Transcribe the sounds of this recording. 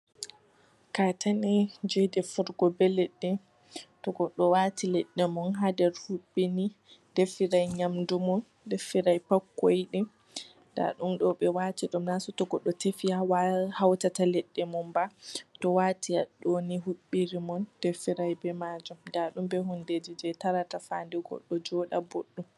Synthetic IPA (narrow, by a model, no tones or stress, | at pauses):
katanid͡ʒɛdɛfuɾɡɔbɛlɛɗːɛ | tɔɡɔɗɔwaːtilɛɗːɛmɔnɦadɛɾhuɓːini | d̥efiɾajɲamdumɔn | defiɾajpakːojɗi | nda̰ɗumɗɔɓɛwatiɗumnasɔtɔɡɔɗːɔtefiawhawtatalɛɗːɛmɔmbatɔwaːtiaɗoniɦuɓːiɾimɔnd̥efiɾajbɛmad͡ʒumdaɗumbɛɦunded͡ʒid͡ʒɛtaɾatafa̰ndɛɡɔ̰ɗːɔd͡ʒɔɗaboɗːum